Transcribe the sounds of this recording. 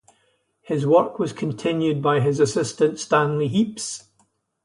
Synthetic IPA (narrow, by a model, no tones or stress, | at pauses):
hɪzwɜ˞kʰwɔz̥kʰə̃ntʰɪ̃njʉd̚baɪɪzəsɪstə̃ntstãnlˠiɦips